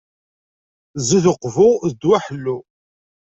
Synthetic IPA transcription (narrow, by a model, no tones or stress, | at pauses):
ziðəqːvʊðəd̪waħəlːu